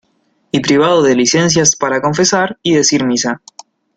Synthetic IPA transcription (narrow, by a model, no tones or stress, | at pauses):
ipɾiβ̞aðoðelisens̬jaspaɾako̞ɱfe̞saɾiðe̞siɾmisa